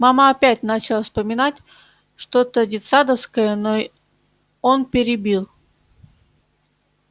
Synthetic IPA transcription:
mamaɐpʲætʲnat͡ɕɪlˠəfspəmʲɪnatʲ | ʂt̪o̞t̪ədʲɪt̪sad̪əfskəjənoi | onpʲɪɾʲɪbʲilˠ

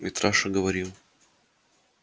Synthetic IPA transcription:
mʲɪt̪ɾaʂɐɡəvɐɾʲilˠ

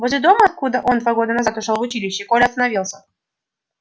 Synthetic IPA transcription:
voʐɪd̪o̞məɐt̪̚kud̪əʔo̞nd̪vaɡo̞d̪ənazat̪ʊʂəlˠvʊt͡ɕilʲɪɕːɪkolʲɪɐst̪ənɐvʲilˠsʲə

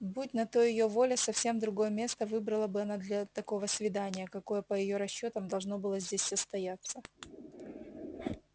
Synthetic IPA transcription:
but̚ʲnɐt̪oɪjovo̞lʲɪsɐfsʲe̞md̪ɾʊɡo̞jəmʲe̞st̪əvɨbɾəlˠəbɨɐnad̪lʲɐt̪ɐko̞vəsvʲɪd̪anʲɪjəkɐko̞jəpəjɪjoɾɐɕːo̞t̪əmd̪ɐlˠʐno̞bɨlˠəzʲdʲesʲsəst̪ɐjat̪sːə

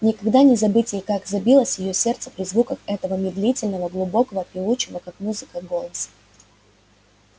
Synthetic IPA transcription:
nʲɪkɐɡd̪anʲɪzɐbɨtʲɪjkaɡzɐbʲilˠəsʲjɪjosʲe̞rt̪sə̥pɾʲɪzvukəxɛt̪əvəmʲɪd̪lʲitʲɪlʲnəvəɡlˠʊbo̞kəvəpʲɪut͡ɕɪvəkakmuzɨkəɡo̞lˠəsə̥

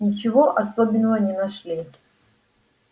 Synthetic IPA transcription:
nʲɪt͡ɕɪvoʔɐsobʲɪnːəvənʲɪnɐʂlʲi

